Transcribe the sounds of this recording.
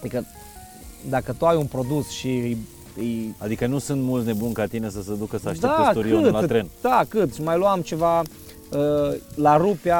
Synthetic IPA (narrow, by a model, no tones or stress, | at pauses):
ikə | d̪akət̪uajunpɾo̞d̪usʃij | ɨjad̪ikənusɨnt̪mult̪sne̞bunkat̪ine̞s̬əsəd̪ukəsaʃtd̪iauɾkioɨlat̪ɾend̪̥akɨt̪sʲmajluamt͡ʃe̞va | əlaɾupea